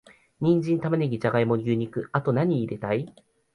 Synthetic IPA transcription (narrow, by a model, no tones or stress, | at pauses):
ɲ̟ĩɲ̟d͡ʑĩnt̪amaneɡʲit͡ɕaɡaimo̞ɡʲɯːɲ̟ikɯ̟at̪o̞naɲ̟iːɾe̞t̪ai